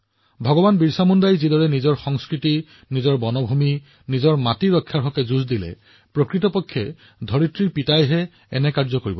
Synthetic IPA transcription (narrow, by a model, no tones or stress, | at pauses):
bʱɔɡɔbanbiɹsamundajzidɔɹɛnizɔɹxɔŋskɹiti | nizɔɹbɔnɔbʱumi | nizɔɹmatiɹɔkʰːaɹɦɔkɛzuzdilɛ̰ | pɹokɹitɔpɔkʰːɛ | dʱɔɹitɹiɹpitajɦɛ | ɛnɛkaɹzɔkoɹibɔ